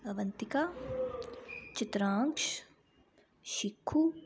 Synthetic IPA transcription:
ɐʋɐnt̪ɪka | t͡ʃɪt̪ɾaːŋkʃ | ʃikʰːu

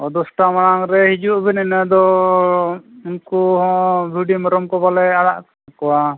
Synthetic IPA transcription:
ɔd̪ɔsʈamaɽaŋɾɛhid͡ʒuʔbɛnɛnɛd̪ɔ | unkuɦɔ̃bʱiɖimɔɾɔmkɔbalɛaɽaʔk | kɔwa

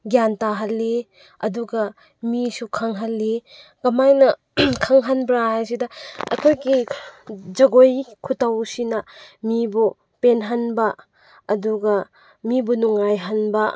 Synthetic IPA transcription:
ɡjantaɦalːi | ɐduɡɐ | misukʰaŋɦalːi | kɐmajnɐ | kʰɐŋɦanbɾaɦajs̬idɐɐ̰kʰojɡi | d͡ʒɐɡojkʰutawsinɐmibu | penɦanbɐ | ɐduɡɐ | mibunuŋajɦanbɐ

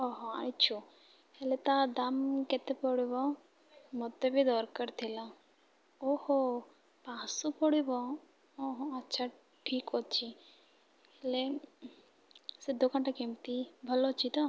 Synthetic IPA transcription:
ɔɦoa̰it͡ʃʰu | helet̪ad̪amket̪epɔɽibɔ | mɔt̪ebʱid̪ɔɾkəɾt̪ʰilã | oho | pãːsopɔɽibɔ | oɦoɐtːʃʰa | ʈʰiːkɦot͡ʃʰi | ele | sed̪okɳʈakemt̪ibʱəlot͡ʃʰit̪ɔ

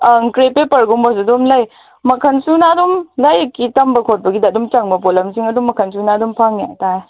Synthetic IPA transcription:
aŋkɾepepɐɾɡumbɐs̬ɐdumlɐj | mɐkʰɐnsunadumlɐjkːitɐmbɐkʰot̚bɐɡidadumt͡ʃɐŋbɐpolɐmsiŋɐdumːɐkʰɐnsunadumpʰaŋja̰taj

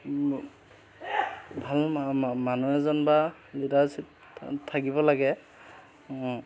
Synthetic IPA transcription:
bʱalmanuɛzɔnba | lidasit | tʰakibɔlaɡɛ

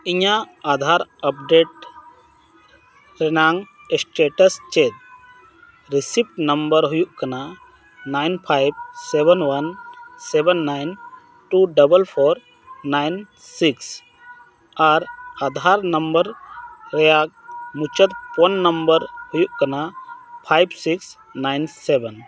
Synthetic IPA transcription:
iɲaad̪ʱaɾəp̚ɖeʈ̚ | ɾənaŋ | sʈeʈəst͡ʃet̪̚ | ɾisip̚ʈnəmbəɾɦujuʔkəna | najnpʰajb̚sebənʋɐnsebənːajn | ʈuɖəbəlpʰoɾ | najn | siks | aɾad̪ʱaɾnəmbəɾɾəjaɡ̚mut͡ʃət̪pɔnːəmbəɾhujuʔkənapʰajbsiks | najnsebən

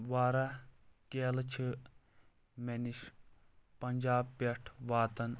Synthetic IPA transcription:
ʋaːɾɐkeːlɐt͡ʃʰɨ | meniʃ | pɐnʲd͡ʒaːbpeʈʰʋaːt̪ɐn

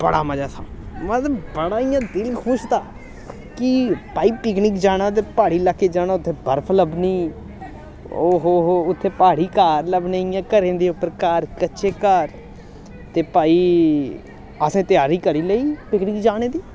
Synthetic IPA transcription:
bəɽa̰ːməd͡ʒaːsʰã̰ːmə̃t̪əbəɽaːijãːd̪ɪlkʰʊʃt̪aː | kɪpaːiːpɪknɪːkd͡ʒaːɽ̃ãːt̪̬eːpaːɽiːlaːkːeːd͡ʒaːnaːʊt̪ʰːeːbəɾpʰləbniː | oːɦoːɦoʊt̪ʰːeːpaːɽiːkaːɾləbneːjãːkəɾẽːnd̪eːʊpːəɾkaːɾkətːʃʰeːkaːɾ | t̪eːpaːiː | əsẽːt̪ɪjaːɾiːkəɾiːləiːpɪknɪkd͡ʒaːɽ̃eːd̪iː

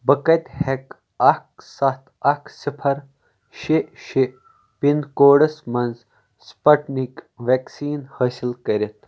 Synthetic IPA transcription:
bɐkɐt̪ʲhek | ɐksɐt̪ʰɐksipʰɐɾ | ʃiʃi | pinkoːɖɐsmɐnz | spɐʈnikʋeksiːnhɐːsilkɐɾʲit̪

